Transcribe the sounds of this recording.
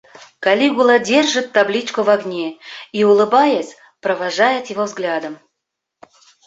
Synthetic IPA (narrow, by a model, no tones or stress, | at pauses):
kɐlʲiɡʊlˠədʲerʐɨt̪ːablʲit͡ɕkʊvaɡnʲeiʊlˠɨbajəsʲ | pɾəvaʐajɪt̪jɪvovzɡlʲad̪əm